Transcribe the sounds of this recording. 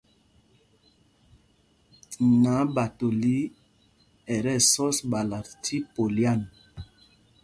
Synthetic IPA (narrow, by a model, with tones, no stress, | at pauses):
na˨˦ba˨to˨li˦ | ɛ˨ɾɛ˦˨sɔ˦sba˨la˨tʰi˦po˨lja˦˨n